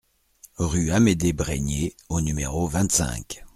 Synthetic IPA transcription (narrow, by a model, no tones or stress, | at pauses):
ʁyamed̪ebʁeɲjeonymeʁovɛ̃t̪sɛ̰̃k